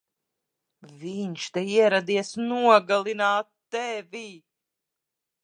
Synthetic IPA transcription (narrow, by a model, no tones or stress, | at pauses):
viɲʃt̪ɛiɛɾad̪iɛsnuɔɡalˠinaːt̪ːɛvʲi